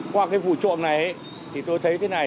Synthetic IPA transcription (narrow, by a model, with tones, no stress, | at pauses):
kwaː˧kaː˨˦jvṵ˧˨t͡ɕṵ˧˨ənna˨˩jʔe˧˦ | t̪ʰi˨˩t̪o˧jt̪ʰə˨˦jt̪ʰe˨˦na˨˩j